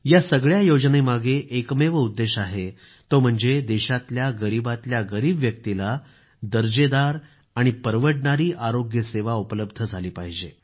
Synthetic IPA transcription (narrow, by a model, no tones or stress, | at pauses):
jasəɡɭjajod͡znemaɡeʔːkmeʋəud̪ːeɕaɦe | t̪om̤əɳd͡zed̪eɕat̪ljaɡəɾibat̪ljaɡəɾiːbʋjək̚t̪ila | d̪əɾd͡ʑed̪aɾ | aɽ̃ipəɾʋəʈɳaɾiːʔaɾoɡjəseʋaupələbd̪ʱəd͡zʱaliːpaɦid͡ʑe